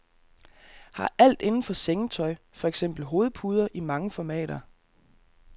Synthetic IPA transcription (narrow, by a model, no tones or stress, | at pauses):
hɑ̈ʔæl̰d̥e̝nn̩fɒ̽seŋət͡sʰɒ̽ɪ | fɒ̽eɡ̥sem̰b̥l̩ɦo̝ːð̩ˠpʰuːð̞ˠɐʔimɑ̈ŋəfɒmɛ̰ːɾ̥ɐ